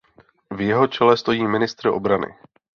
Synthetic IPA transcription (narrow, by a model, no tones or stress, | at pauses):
vjɛɦo̞t͡ʃɛlɛst̪o̞jiːmɪnɪst̪ɾɪʔo̞bɾanɪ̰